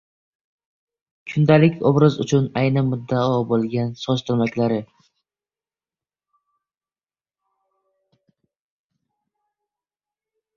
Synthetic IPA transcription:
kʰʊnd̪alɪkʲʰɒ̰bɾazʊt͡ʃʰʊnajnɪmʊd̪ːaɒbolˠɡʲansɒzt̪ʰʊɾmakʲlaɾɪ

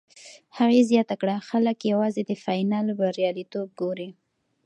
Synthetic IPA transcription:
haɣezjɑt̪akɽaxaləkjawɑzed̪əfɑjnɑlbaɾijɑlit̪ob̚ɡoɾi

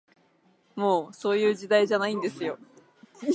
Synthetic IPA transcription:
mo̞ːso̞ːjɯ̟ːd͡ʑid̪aiʑanaĩnd̪e̞sɨjo̞

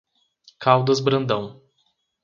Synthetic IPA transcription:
kʰawd̪ɐzbɾɐ̃nd̪ɐ̃w̃

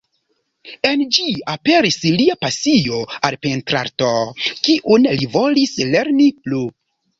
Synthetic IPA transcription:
e̞nd͡ʒiape̞ɾisliapasijo̞alpentɾa̰ɾtokiʔunlivo̞lisle̞ɾniplu

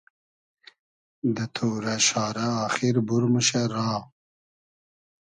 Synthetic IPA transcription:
d̪ət̪ʰoɾaʃɑːɾaːxiɾbuɾməʃaɾɑː

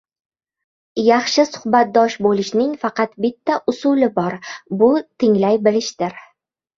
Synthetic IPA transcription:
jɑχʃɪsʊ̥hbat̪̚d̪ɒʃbolɪʃnɪŋfɑqɑt̪bɪt̪ʰːaʔʊsʊlɪbɒɾbʊt̪ʰɪŋlajbɪlɪʃd̪̥ɪɾ

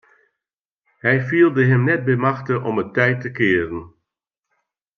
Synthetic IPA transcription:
hɛjfiːlˠdəɦəmnɛt̚bɛmɑxtəʔɔmətɛjtːəkɪːərən

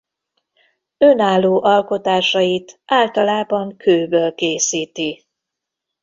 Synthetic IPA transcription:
ønaːlːoːʔɒlko̞t̪aːʃɒjit̪ʔaːlt̪ɒlaːbɒŋkʰøːbøːlkeːsiːt̪i

